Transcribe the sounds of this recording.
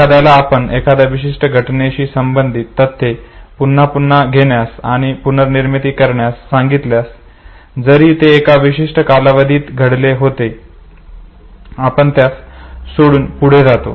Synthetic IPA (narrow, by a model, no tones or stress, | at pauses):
ead̪jalaːpəɳekad̪jaʋiɕ̬iʂʈəɡʱəʈneɕiːsəmbənd̪ʱit̪ːət̪ʰːepunːapunːaɡʱeɳjasa̰ɽ̃ipunəɾniɾmit̪iːkəɾɳjasːãŋɡit̪ljas | d͡zəɾiːt̪eːkaʋiɕiʂʈəkalaʋəd̪ʱiːt̪ɡʱəɽleɦot̪e | apəɳt̪jassoɽuːnpuɽ̤ed͡zat̪o̰